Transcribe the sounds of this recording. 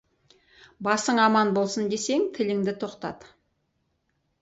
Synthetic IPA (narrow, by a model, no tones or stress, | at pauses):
bɑsəɴɑmɑnbo̞lˠsənd̪e̞se̞ŋt̪ʰɪlɪŋd̪ɪt̪ʰo̞qt̪ɑ̰d̪